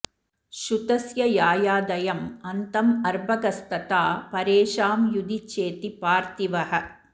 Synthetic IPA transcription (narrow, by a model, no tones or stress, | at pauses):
ʃut̪ɐsjɐjaːjaːd̪ɐjɐmɐnt̪ɐmɐɾbʱɐɡɐst̪ɐt̪aːpɐɾeːʃaːmjud̪it͡ʃːeːt̪ipaːɾt̪iʋɐhɐ̆